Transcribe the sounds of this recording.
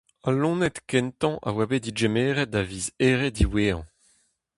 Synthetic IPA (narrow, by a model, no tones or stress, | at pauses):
alɔ̃ːnɛt̪kɛnt̪ɑ̃ʔa̰wabed̪id͡ʒemeːʁɛt̚daviːzeːʁediweːɑ̰̃